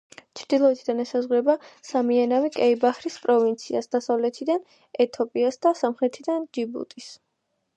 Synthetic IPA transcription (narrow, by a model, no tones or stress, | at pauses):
t͡ʃʰɾd̪̥ilˠɔɛt̪ʰid̪anɛsazʁɾɛbasamianavikʼɛibaχɾispʼɾɔvint̪sʰia̰sd̪̥asavlɛt̪ʰid̪an | ɛt̪ʰɔpʼiasd̪asamχɾɛt̪ʰid̪and͡ʒibṵt̪ʼis